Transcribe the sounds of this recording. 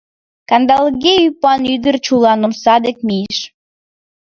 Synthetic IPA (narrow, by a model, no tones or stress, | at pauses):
kɑnd̪ɑlɣeypɑnyd̪ərt͡ɕulɑnomsɑd̪ek̚mijeʃ